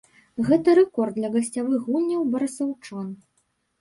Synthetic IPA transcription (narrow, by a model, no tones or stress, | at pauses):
ɣɛt̪ɐɾɛkɔrd̪d̪lʲɐɣɐsʲt͡sʲavɨɣulʲːɐwbɐɾɨsɐwt͡ʂan